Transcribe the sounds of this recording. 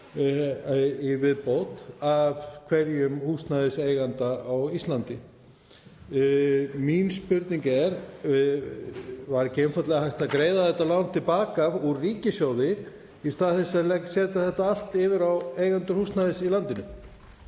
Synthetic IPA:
ivɪðpowt̪avkʰvɛɾjʏmhust̪naðɪseːjɣant̪aawist̪lant̪ɪ | minspʏɾt̪niŋkɛɾ | vaɾɛcɪɛnfat̪lɛɣahajht̪akɾeːjðaθɛht̪ːalawn̥t̪ʰːɪlpaːkavuɾriːcɪsjawðɪ | ist̪aːðθɛsalɛksɛːt̪aθɛht̪ːaal̥t̪ɪvɪɾawejɣant̪ʏɾ̥hust̪naðɪsilan̪t̪ɪnʏ

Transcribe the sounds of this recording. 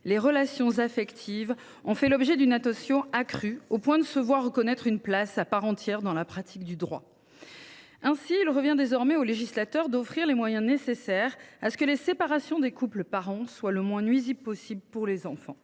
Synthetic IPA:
leʁəlasjɔ̃zafɛkt̪ʰiv | ɔ̃fɛlɔbʒɛd̪ynat̪ɔsjɔ̃akχyopwɛ̃d̪əsəvwaʁːəkɔnɛt̪χynplasapaʁɑ̃t̪jɛʁd̪ɑ̃lapχat̪ʰik̚d̪yd̪ʁwa̰ | ɛ̃siːlʁəvjɛ̃d̪ezɔʁmɛoleʒislat̪œʁd̪ɔfχiʁlemwajɛ̃nesesɛʁasə̥kəlesepaʁasjɔ̃d̪ekupləpaʁɑ̃swaləmwɛ̃nɥizibpɔsibləpuʁlezɑ̃fɑ̰̃

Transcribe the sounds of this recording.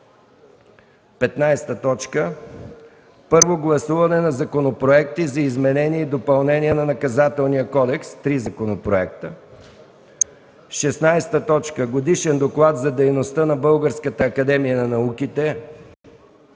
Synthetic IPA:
pɛt̪najst̪ət̪ɔt͡ʃkə | pɤɾvoɡlˠɐsuvɐnɛnɐzɐkonopɾoɛk̚t̪izɐizmɛnɛniɛid̪opɐlˠnɛniɛnɐnɐkɐzat̪ɛlˠnijəkɔd̪ɛkst̪ɾizɐkonopɾoɛk̚t̪ə | ʃɛsnajst̪ət̪ɔt͡ʃkəɡod̪iʃɛnd̪oklˠat̪zɐd̪ɛjnost̪ənɐbɤlˠɡəɾskət̪əːkɐd̪ɛmijənɐnɐukit̪ɛ

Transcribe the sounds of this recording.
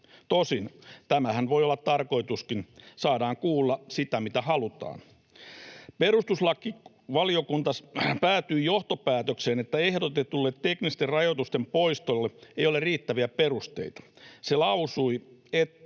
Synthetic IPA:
t̪osint̪æmæhænʋojolːɑt̪tɑrko̞it̪uskinsɑːdɑːŋkuːlːɑsit̪æmit̪æhɑlut̪ɑ̰ːn | perust̪uslɑkːi | ʋɑliokunt̪ɑspæːt̪yijoht̪opæːt̪økseːnet̪ːæehdot̪et̪ulːet̪teknist̪errɑjot̪ust̪empoist̪olːeejoleriːt̪ːæʋiæperust̪ḛit̪ɑ̥selɑusuiet̪ː

